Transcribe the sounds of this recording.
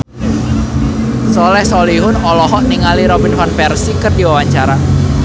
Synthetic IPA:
sɔlɛhsɔliɦʊnɔlɔɦɔʔniŋaliɾɔbinfanpɛrsikərd̥iwawaɲt͡ʃaɾa

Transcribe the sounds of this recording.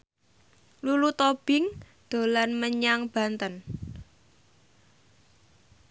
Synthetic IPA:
lulut̪ob̥ɪ̤ŋ | d̪̥o̤lanməɲaŋb̥ä̤nt̪ən

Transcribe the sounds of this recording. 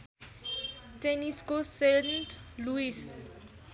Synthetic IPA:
teniskosenʈluis

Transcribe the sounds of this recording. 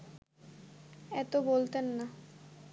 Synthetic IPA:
ɛt̪obolt̪enːa

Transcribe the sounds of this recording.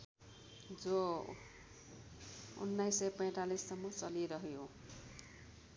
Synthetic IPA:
d͡zo | ṵnːajsːʌjpej̃ʈalisːʌmːʌt͡sʌliɾʌɦjo

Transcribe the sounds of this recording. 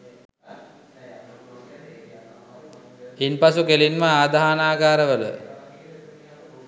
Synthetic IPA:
inpasukelinməaːd̪aɦanaːɡaːɾəʋələ̰

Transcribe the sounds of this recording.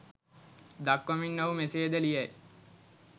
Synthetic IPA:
d̪akːominːoumeseːd̪əlijæj

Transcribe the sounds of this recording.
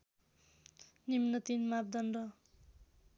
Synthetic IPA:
nimnʌt̪inmap̚d̪ʌnɖʌ

